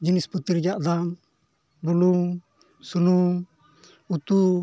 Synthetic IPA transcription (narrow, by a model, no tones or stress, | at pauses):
d͡ʒinisput̪iɾd͡ʒaʔd̪am | bulum | sunum | ut̪u